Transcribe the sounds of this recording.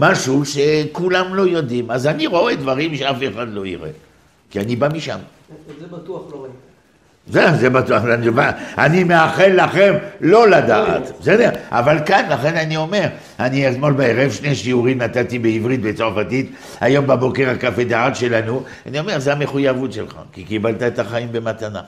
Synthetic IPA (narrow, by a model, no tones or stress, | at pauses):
maʃuʃekulamlo̞jo̞d̪imazaniʁo̞ed̪vaʁimʃeafeχad̪lo̞iʁḛ | kianibamiʃa̰m | zezebat̪uaχanivaanimeaχelːaχemlo̞lad̪aʔa̰t̪besed̪eʁʔa̰valkanlaχe̞nanio̞me̞ʁ | aniesmo̞lbaeʁevʃneʃiuʁimnat̪at̪ibeivʁit̪̚bet͡soʁfat̪it̪ | ajo̞mbabo̞keʁakafed̪aat̪ʃe̞lanu | anio̞me̞ʁzeameχujavut̪ʃḛlχa̰kikibalt̪aet̪aχaimbe̞mat̪ana̰